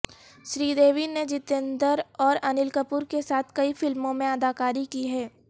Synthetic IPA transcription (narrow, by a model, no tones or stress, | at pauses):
ʃɾiːd̪eːʋined͡ʒɪt̪ẽnd̪əɾɔːɾɐnɪlkəpuːɾkesaːt̪ʰkɐifɪlmõmẽɐd̪aːkaːɾikiɦɛː